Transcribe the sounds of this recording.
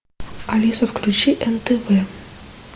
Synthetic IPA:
ɐlʲisɐfklʲʉt͡ɕiʔɛnt̪ɛvɛ

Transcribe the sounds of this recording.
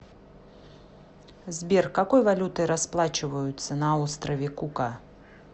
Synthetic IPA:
zʲbʲɛrkakɔjvalʲut̪ɐjɾasplˠat͡ʃɨvɐjut̪sːɐnɐawst̪ɾɐvʲɛkuka

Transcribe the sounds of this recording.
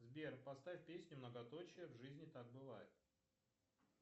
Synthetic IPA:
zbʲerpɐst̪avʲfʲpʲesʲnʲʊmnəɡɐt̪o̞t͡ɕɪjəvʐɨzʲnʲɪt̪ak̚bɨvajɪt̪̚

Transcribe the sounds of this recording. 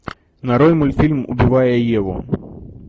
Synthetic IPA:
nɐɾɔjmulʲfʲilʲmṵbʲivajɛjɛvɔ̰

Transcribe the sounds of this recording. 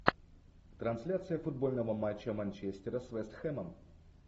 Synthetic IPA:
t̪ɾɐnsʲlʲat̪sɨjəfʊd̪̚bo̞lʲnəvəmat͡ɕːəmɐnʲt͡ɕesʲt̪ʲɪɾəsvɛst̪xɛməm

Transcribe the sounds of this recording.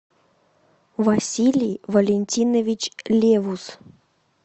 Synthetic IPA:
vasʲilʲijvolʲenʲtʲinovʲit͡ɕlʲevus

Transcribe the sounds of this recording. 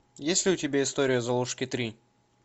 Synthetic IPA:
jesʲlʲɪʊtʲɪbʲaɪst̪oɾʲɪjʊzɐlˠuʂkʲɪt̪ɾʲi

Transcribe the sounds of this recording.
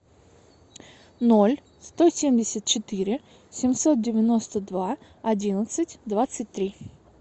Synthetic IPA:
nolʲ | st̪osʲemʲdʲɪsʲət̪̚t͡ɕɪt̪ɨɾʲɪ | sʲɪmsot̪̚dʲɪvʲɪno̞st̪əd̪va | ɐdʲinət̪sɨtʲd̪vat̪sɨt̚ʲt̪ːɾʲi

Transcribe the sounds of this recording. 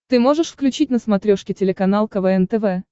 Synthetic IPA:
t̪ɨmo̞ʐɨʂfklʲʉt͡ɕit̚ʲnəsmɐt̪ɾʲoʂkʲɪtʲɪlʲɪkɐnalˠkɐvɛɛnt̪ɛvɛ

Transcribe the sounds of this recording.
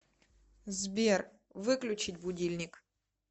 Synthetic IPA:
zbʲer | vɨklʲʊt͡ɕɪtʲbʊdʲilʲnʲɪk

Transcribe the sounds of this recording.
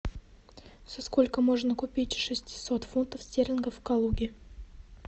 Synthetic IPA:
sɐsko̞lʲkəmoʐnəkʊpʲitʲʂɨsʲtʲɪ̥sot̪funt̪əfsʲtʲeɾʲɪnɡəfkɐlˠuɡʲɪ

